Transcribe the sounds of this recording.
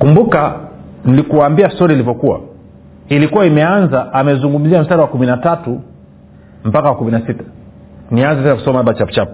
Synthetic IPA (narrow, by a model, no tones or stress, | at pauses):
kumbuka | nilikuaːmbiastɔɾilivɔkuwa̰ | ilikuwaimɛanzaʔamɛzuŋɡum̩ziam̩staɾawakuminatatu | m̩pakawakuminasitḁ | nianzɛtɛnaku̥sɔmaaɓat͡ʃapu̥t͡ʃapu̥